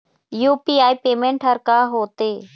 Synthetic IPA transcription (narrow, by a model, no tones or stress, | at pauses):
juːpiːaːiːpeːmẽːɳʈɦəɾkaːɦoːt̪eː